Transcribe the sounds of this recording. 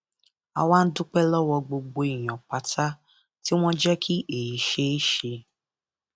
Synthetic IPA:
a̰˧waː˦n̩˦du˦k͡pɛ˦lɔ˦wɔ˧ɡ͡bo˧ɡ͡bo˧i˨j̃ɔ̃˨k͡pa˨tʰa˦ | ti˦w̃ɔ̃˦d͡ʒɛ˦kʰi˦ʔe˨ji˨˦ʃe˦e˦ʃe˧

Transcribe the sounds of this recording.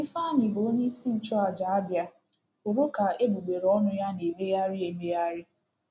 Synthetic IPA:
ɪ˦fa˦ɲɪ˨bo˨o˦ɲi˦si˦n̩˨t͡ʃɔ˦a˨d͡ʒa˨a˦bja˦ | u˨ɾo˦ka˨e˦ɡ͡bu˨ɡ͡be˨ɾɔ˦nʊ˦ja˦ne˨me˦ja˦ɾɪ˦e˨me˦ja˦ɾɪ˦

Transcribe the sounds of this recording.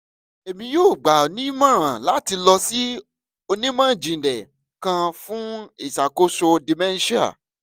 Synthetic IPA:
e˨mĩ˧joː˦˨ɡ͡ba˨o˨nĩ˦mã˦ɾ̃ã˨la˦ti˧lɔ˧si˦ | o˧nĩ˦mã˦˨d͡ʒĩ˨dɛ˨ | kã˧fũ˦i˦˨sa˨ko˦so˧di˨mɛ̃˦n˦ʃi˦a̰˨

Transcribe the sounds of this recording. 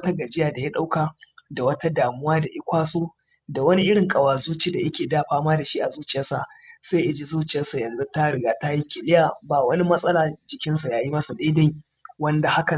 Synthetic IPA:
ta˦ɡa˨d͡ʒɪ˦jaː˨da˨ji˦ɗa˦wkaː˨da˨wɐ˦ta˦daː˨mʊ˦waː˦da˨ʔɪ˦kʷaː˦soː˦ | da˨wɐ˦ni˦ʔɪ˦ɽɪ˨ŋkʼɐ˨waː˨zuː˦t͡ʃi˦da˨ʔɐ˦kʲeː˨daː˦ɸaː˦maː˦da˨ʃi˦ʔa˨zuː˦t͡ʃɪ˨jɐ˦nsa˨ | sa˦ʔɪ˨d͡ʒi˦zuː˦t͡ʃɪ˨jɐ˦nsa˨jɐ˨nzu˦ta˦ɽɪ˨ɡaː˨ta˦ji˦kʲɪ˨lɪ˦jaː˨ba˨wɐ˦ni˦mɐ˦sʼɐ˦laː˨d͡ʒɪ˨kʲɪ˦nsa˨jaː˦ji˦mɐ˦sa˨da˦da˦ji˨ | wɐ˦nda˨ha˦kɐ˨

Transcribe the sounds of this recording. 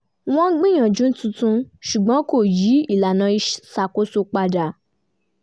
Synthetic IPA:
w̃ɔ̃˦ɡ͡bĩ˦˨j̃ã˨d͡ʒũ˨˦n̩˦tũ˧tũ˧ʃu˨ɡ͡bɔ̃˨˦ko˦˨ji˨˦i˦˨la˨nã˨˧˦i˧ʃsa˨ko˦so˧k͡pa˧da˨

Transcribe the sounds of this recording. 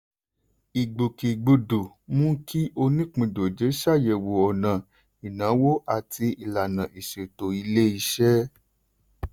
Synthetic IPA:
i˨ɡ͡bu˨ki˨ɡ͡bu˨du˨ | mũ˦ki˦ʔo˧nĩ˦k͡pĩ˧˨do˨d͡ʒe˨˦ʃa˦˨jɛ˨wo˨ɔ˨nã˨ | i˨nã˨˦wo˦ʔa˨tʰi˧i˨la˨nã˨i˨ʃe˨to˨i˧le˦i˧ʃɛ˦

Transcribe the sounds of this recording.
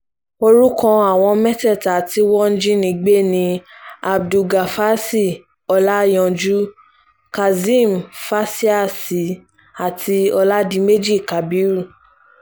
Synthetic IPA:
o˧ɾu˦kɔ̃˧a˨w̃ɔ̃˧mɛ˦tɛ˦˨ta˨ti˨˦wɔ˦n̩˦d͡ʒĩ˦nĩ˧ɡ͡be˦nĩ˧a˨bdu˧ɡa˨fa˦si˦˨ | ɔ˧la˦jɔ̃˧d͡ʒu˦ | ka˨zĩ˦˨m˨fa˦si˦a˦˨si˨˦ | a˨tʰi˧ɔ˧la˦dĩ˧˦me˦d͡ʒi˦˨ka˨bi˨˦ɾu˦˨

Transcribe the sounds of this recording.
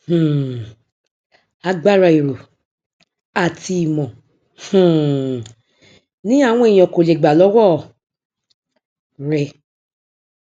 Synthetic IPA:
hũ˨ | a˧ɡ͡ba˦ɾa˧˨i˨ɾo˨ | a˨ti˧i˨mɔ̃˨ | hũ˨ | nĩ˨˦a˦˨w̃ɔ̃˦e˨j̃ɔ̃˨ko˨le˨ɡ͡ba˨lɔ˨˦wɔ˦˨ | ɾɛ˧

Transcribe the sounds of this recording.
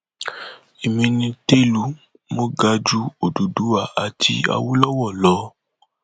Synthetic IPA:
e˨mĩ˧nĩ˧te˦lu˨˦ | mo˦ɡa˧d͡ʒu˦o˨du˨du˨˦a˦˨a˨tʰḭ˧a̰˧wu˦lɔ˦wɔ˦˨lɔ˨˦

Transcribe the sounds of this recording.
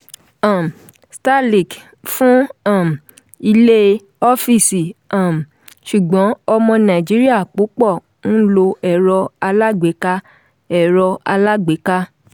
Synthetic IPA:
a˨m˨ | sta˦li˨k | fũ˦a˦˨m˨ | i˧le˦ | ɔ˦fi˦˨si˨a˨m˨ | ʃu˨ɡ͡bɔ̃˨˦ɔ˧mɔ̃˧nã˨d͡ʒi˨˦ɾi˦a˦˨k͡po˨˦k͡pɔ˦˨ | ñ̩˦lo˧ɛ˨ɾɔ˧a˧la˦ɡ͡be˨˦ka˦ | ɛ˦˨ɾɔ˧a˧la˦ɡ͡be˨˦ka˦

